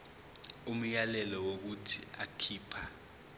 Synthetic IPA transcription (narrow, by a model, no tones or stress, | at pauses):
um̩jalɛlɔwok̬utʰḭa̰kʰiːpʰa